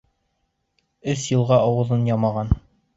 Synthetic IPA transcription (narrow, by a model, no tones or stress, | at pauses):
ɵsjɤ̆lˠʁɑɑwɤ̆ðɤnjɑmɑʁɑn